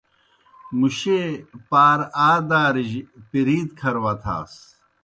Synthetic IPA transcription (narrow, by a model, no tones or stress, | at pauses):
muɕepaːɾaːd̪aːɾiʑpiɾiːd̪kʰɐɾwɐt̪ʰa̰ːs